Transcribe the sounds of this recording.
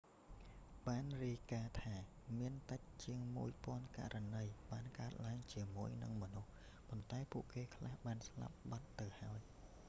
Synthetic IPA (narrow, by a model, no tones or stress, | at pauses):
ɓaːnriəjkaːt̪ʰaː | miənt̪ɨc̚t͡ɕiəŋmṵəjpŏənka̰ʔrʔanəjɓaːnkaət̪̚laəŋt͡ɕiəmuəjnɨ̰ŋmɔnuh | pont̪aɛpuəʔkeːkʰlahɓaːnsla̰p̚ɓat̪ːɨwhaɔj